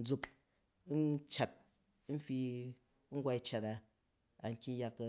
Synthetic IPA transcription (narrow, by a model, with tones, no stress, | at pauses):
d͡zu˦k | nt͡ʃa˨t̩̚˦ | fi˧˦ | ŋ̩˦ɡʷa˦i˦t͡ʃa˨ta˨ | a˨ŋ̩˦kʲi˦ja˧k